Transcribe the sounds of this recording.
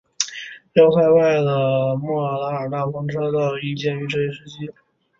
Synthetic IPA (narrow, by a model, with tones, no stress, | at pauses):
jɑ˥ʊsa˥˧ɪwa˥˩ɪlə˩mɔ˥˩a˨˩la˧˥ə˨˩na˥˩fɑ˥ŋʈ͡ʂʰɤ˥d̪ə˧˩i˥˩t͡ɕjɛ˥˩ny˧˥ʈ͡ʂɤ˥˧i˧˥ʂɻ̩˥t͡ɕʰi˥